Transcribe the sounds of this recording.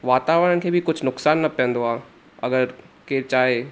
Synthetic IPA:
ʋaːt̪aːʋəɾənkʰeːbʱikʊt͡ʃʰnʊksaːnːɐpɛ̃nd̪oaː | ɐ̰ɡəɾkeːɾt͡ʃaːɦe

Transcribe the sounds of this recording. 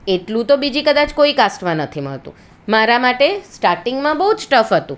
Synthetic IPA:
eʈlũt̪obid͡ʒikəd̪at͡ʃkoikasʈmãnət̪ʰimə̰ɭt̪ṵ̃ | maɾamaʈesʈaɾʈɪŋɡmãbəɦud͡ʒsʈəfɦət̪ṵ̃

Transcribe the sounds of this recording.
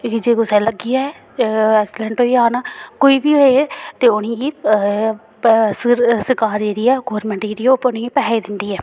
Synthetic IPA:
kid͡ʒeːkʊsɛ̃ːləɡɪjaːɛː | ɛːksɪləɳʈɦoːiaːnaːkoːiːʋiːɦoet̪eːʊnĩːɡiː | sɾsəkaːɾeːɾiːɛːɡoːɾmə̃ɳʈeːɾiːopʊnĩiːpɛːed̪ɪnd̪iːɛː

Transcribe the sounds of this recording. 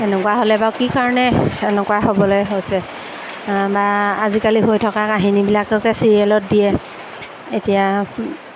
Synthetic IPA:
ɛnɛkuwaɦolɛbawkikaɹɔnɛɛnɛkuaɦobɔlojɦojsɛ | baazikaliɦojtʰɔkakaɦinibilakɛʊkɛsiɹiɛlɔt̚dijɛ | etija

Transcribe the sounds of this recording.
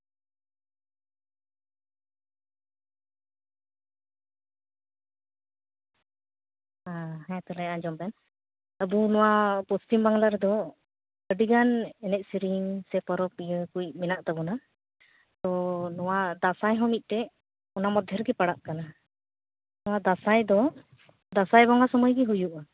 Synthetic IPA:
aɦɛ̃t̪ɔlɛaɲd͡ʒɔmbɛn | əbunɔwapɔst̪imbaŋlaɾd̪ɔ | əɖiɡanɛnɛc̚siɾiŋsɛpɔɾɔp̚ijəkuj̚mɛnaʔt̪abɔna | t̪ɔnɔwad̪asajɦɔmit̪̚ˀt̪ɛ | ɔnamɔd̪ʱjɛɾɡɛpaɽaʔkana | nɔwad̪asajd̪ɔ | d̪asajbɔŋasɔməjɡɛɦujuʔa

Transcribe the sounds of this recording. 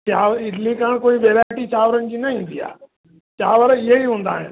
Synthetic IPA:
t̪jaʋit̪ʰlĩkaɳkoiːʋeɾajʈiːt͡ɕaʋɾənt͡ɕiːnaɦĩd̪ija̰ | t̪jaʋəɾjeɦiːɦõnd̪aɦḛn

